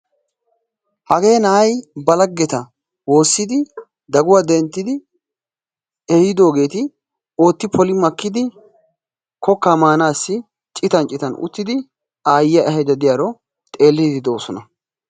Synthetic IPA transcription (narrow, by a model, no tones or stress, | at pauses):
hɐɡe̞ːnɐʔɐjbɐlɐɡːɛt̪ɐ | wo̞ːsːɪd̪ɪ | d̪ɐɡʊwad̪ɛnt̪ːɪd̪ɪ | ɛhɪd̪o̞ːɡe̞ːt̪ɪ | o̞ːt̪ːɪpʰɔlɪmɐkːɪd̪ɪ | kʰɔkːamaːnaːsːɪ | t͡ʃʼɪt̪ɐnt͡ʃʼɪt̪ɐnʊ̰t̪ːɪd̪ɪ | aːjɪjɐʔɛɦɛd͡ʒ̪ɐd̪ɪjaɾɔ | t̪ʼe̞ːlːɪd̪ɪd̪o̞ːsɔnɐ